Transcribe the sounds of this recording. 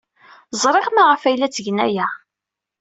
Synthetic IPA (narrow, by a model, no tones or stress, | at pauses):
zˤɾˤeʁmaʁəfæjlæt͡sːəʝnæ̰jæ